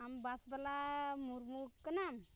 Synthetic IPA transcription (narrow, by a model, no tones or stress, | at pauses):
ambasbalamuɾmukkːənam